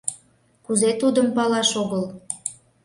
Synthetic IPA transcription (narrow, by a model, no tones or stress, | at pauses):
kuzet̪ud̪əmpɑlɑʃoɣəl